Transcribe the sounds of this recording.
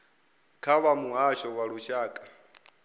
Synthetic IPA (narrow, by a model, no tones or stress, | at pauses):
kʰaβamuɦaʃɔwaɺuʃaːkʼḁ